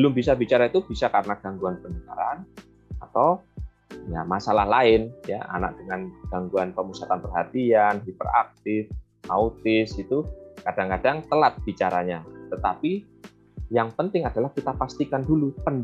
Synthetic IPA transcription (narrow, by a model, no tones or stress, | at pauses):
bəlʊmbisabit͡ʃaɾait̪ub̥isakaɾənaɡ̥aŋɡuanpənəka̰ɾan | a̰t̪aw | jamasalahlaɪnja̰ʔa̰na̰k̚d̥əŋanɡ̥aŋɡuanpəmusat̪anpərɦat̪ianɦipəɾa̰k̚t̪ɪf | ʔaut̪ɪsit̪ukad̥aŋkadaŋt̪əlat̪̚b̥it͡ʃaɾaɲat̪ət̪api | jaŋpənt̪ɪŋad̥alahkit̪apast̪ikandulupən